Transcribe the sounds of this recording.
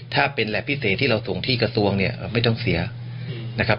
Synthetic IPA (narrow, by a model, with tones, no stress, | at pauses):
t̪ʰaː˥˩pe˧nlɛː˨˩pʰi˦˥seː˨˩t̪ʰːiː˥˩ɾa˧wso˩˦ŋt̪ʰiː˥˩kɾa˧su˧əŋni˥˩ɐʔma˥˩jt̪ɔ˥˩ŋsi˩˦ɐ | na˦˥kʰa˦˥p̚